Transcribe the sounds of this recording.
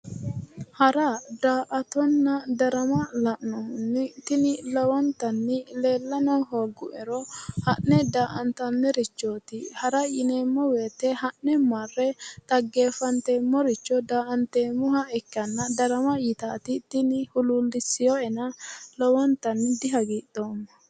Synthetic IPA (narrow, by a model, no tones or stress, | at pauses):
hɐɾɐd̪aːʔɐt̪ɔnːɐd̪ɐɾɐmɐlɐʔnɔmʊnːɪt̪ɪnɪlɔwɔnt̪ɐnːɪle̞ːlːɐnɔɦoːɡʊʔɛɾɔhɐnːɛd̪aːʔɐnt̪ɐnːɛɾɪt͡ʃːoːt̪ɪhɐɾɐjɪneːmːɔwe̞ːt̪ːɛhɐnːɛmɐrːɛt̪ʼɐɡːe̞ːfɐnt̪eːmːɔɾɪt͡ʃːɔd̪aːʔɐnt̪eːmʊhɐɛkːɐnːɐd̪ɐɾɐmɐjɪt̪aːt̪ɪt̪ɪnɪhʊluːlːɪsːɪjɔɛnɐlɔwɔnt̪ːɐnːɪd̪ɪɦɐɡiːt̪ːoːmːɐ